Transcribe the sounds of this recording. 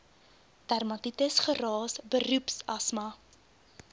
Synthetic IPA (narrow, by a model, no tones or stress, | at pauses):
tærmɐtitəsχərɑːsbərʉpsɐsmɐ